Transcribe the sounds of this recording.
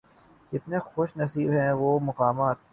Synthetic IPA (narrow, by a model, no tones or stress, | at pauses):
d͡ʒɪt̪nexoːʃnɐsiːbɦɛ̃ʋoːmɐqaːmaːt̪̚